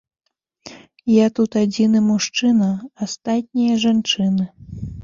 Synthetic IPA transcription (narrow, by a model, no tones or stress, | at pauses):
jat̪ut̪ad͡zʲinɨmuʂt͡ʂɨnɐast̪at̪ʲnʲijɐʐant͡ʂɨnɨ